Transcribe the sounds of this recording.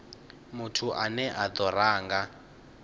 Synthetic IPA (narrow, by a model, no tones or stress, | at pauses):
mutʰuʔanɛʔad̪ɔɾaːŋɡa